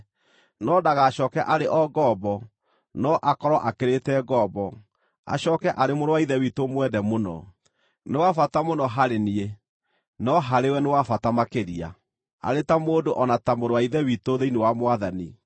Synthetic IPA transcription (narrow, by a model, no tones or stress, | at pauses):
nɔdaɣaɕɔːkɛʔaɾeʔɔɡɔːbɔ | nɔʔakɔɾɔʔakeɾetɛɡɔbɔ | a̰ɕɔːkɛʔaɾemoɾowaiðɛwitomwɛðɛmonɔ̰ | newafatamonɔɦaɾenie | nɔɦaɾewɛnewafatamakeɾia̰ | a̰ɾetamoːdoʔɔnatamoɾowaiðɛwitoðeinewamwaðani